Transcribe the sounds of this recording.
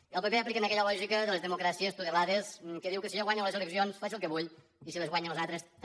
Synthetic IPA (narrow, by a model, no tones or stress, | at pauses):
iəlˠpəpeaplikənəkɛʎəlɔʒikəðəlezðəmukɾasiest̪uðelaðeskəðiwkəsioɣwaɲolezeləksionsfasilˠkəβuʎ | isilezɣwaɲelezat̪ɾes